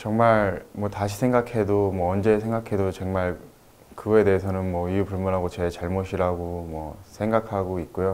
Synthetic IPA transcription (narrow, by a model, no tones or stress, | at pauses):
t͡ɕʌŋmaɭmwʌtaɕʰi̥sʰe̞ŋɡakʰe̞domwʌʌnd͡ʑe̞sʰeŋɡakʰe̞dot͡ɕeŋmaɭ | kɯe̞de̞ːsʰʌnɯnmwʌiupuɭmunɦaɡot͡ɕe̞t͡ɕaɭmoɕʰiɾaɡomwʌsʰe̞ŋɡakʰaɡoit̚k͈ojo